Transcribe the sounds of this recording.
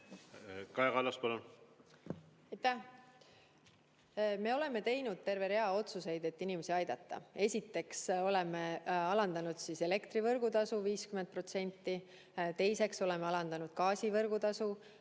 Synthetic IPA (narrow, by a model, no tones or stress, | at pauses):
kɑekɑlːɑspɑlon | ɑjt̪ːæh | me̞o̞le̞me̞t̪e̞jnud̪̥̚t̪e̞rve̞ɾe̞ɑo̞t̪suse̞jd̪̥e̞t̪ːinimesiɑjd̪̥ɑt̪ːˑɑ̰e̞sʲit̪ːˑe̞kso̞le̞me̞ɑlɑnd̪ɑnud̪̥siːse̞le̞kt̪ɾivɤrɡ̥ut̪ɑsuviːskyment̪̚pro̞t̪se̞nʲt̪ːˑi | t̪e̞jse̞kso̞le̞meɑlɑnd̪ɑnud̪̥̚kɑːsivɤrɡ̥ut̪ɑsu